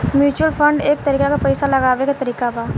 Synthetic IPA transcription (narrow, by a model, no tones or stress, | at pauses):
mjuːt͡ʃwəlfʰə̃ɳɖeːk̚t̪ɐɾiːkakapɐjsalɐɡaːʋekat̪ɐɾiːkabaː